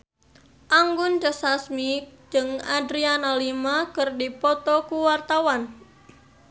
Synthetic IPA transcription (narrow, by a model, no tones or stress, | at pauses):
ʔaŋɡʊnd͡ʒəsasmid͡ʒɨŋadɾianalimakɨrdipɔt̪ɔkuwart̪awan